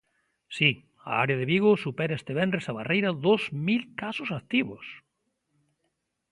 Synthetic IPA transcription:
si | a̰a̰ɾeaðeβiɣosupɛɾaest̪eβɛndɾesaβarejɾɐðozmilkasʊsakt̪iβʊ̰s

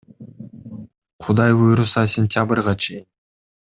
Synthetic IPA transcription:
qʰud̪ɑjbujɾusɑsʲɪnʲt̪ʲjabɨrʁɑt͡ʃʰe̞jɪn

